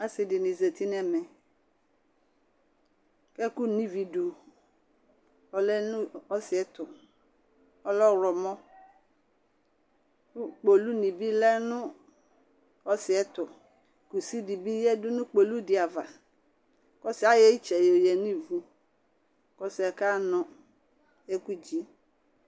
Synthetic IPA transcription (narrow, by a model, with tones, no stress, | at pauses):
a˦sɪ˨dɪ˨nĩ˨ze˨t̪i˦n˦ɛ˦mɛ̃˨ | kɛ˦ku˦nĩ˦vi˨du˨ | ɔ˦lɛ˦nʊ̃˦ɔ˦sɪ˨ɛ˦t̪ʊ˨ | ɔ˦lɔ˦ɾɔ˨mɔ̃˦ | k͡po˨lu˦nĩ˨bi˦lɛ˦nʊ̃˦ | ɔ˦sɪ˨ɛ˦tʊ˨ | ku˨si˦di˨bi˦jɛ˦dʊ˦nʊ̃˦k͡po˨lu˦dɪ˨a˨va˨ | kɔ˦si˨˦a˦jɛ˦i˦t͡ʃɛ˨jo˨jɛ˨ni˦˨vu˦ | kɔ˦sɛ˨ka˦nɔ̃˦ | ɛ˦ku˦d͡ʒi˨˦